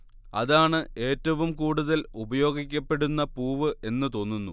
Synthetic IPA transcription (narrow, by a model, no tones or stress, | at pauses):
ɐðaːɳɨe̞ːtːɐʋumkuːɽuðɐlubɐjo̞ːɡikʲːɐpːe̞ɽunːɐpuːʋɨʔe̞nːɨt̪o̞ːnːunːu